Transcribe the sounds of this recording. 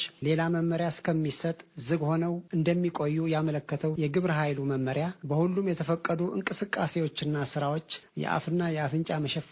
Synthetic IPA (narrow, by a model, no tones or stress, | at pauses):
le̞laməmːəɾjaskʰəmːisət̪ʼzɨɡho̞nəwɨnd̪əmːikʼo̞jːujamələkːət̪ʰəwjɛɡɨβɾɦajluməmːəɾjabəhulːumjɛt̪ʰəfəkʼːəd̪uʔɨ̰ŋkʼɨsɨkʼːase̞wo̞t͡ʃːɪnːasɨɾawo̞t͡ʃːjɛ̰ʔa̰fɨnːajɛafɨnt͡ʃʼaməʃɛf